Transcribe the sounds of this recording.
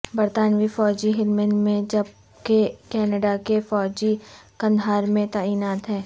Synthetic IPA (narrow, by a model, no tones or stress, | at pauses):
bəɾt̪aːnʋifɔːd͡ʒiɦɪlmənmẽd͡ʒɐb̚ | kekɛːnəɖakefɔːd͡ʒikɐ̃nd̪ʱɦaːɾmẽt̪aːiːnaːt̪ɦɛ̃ː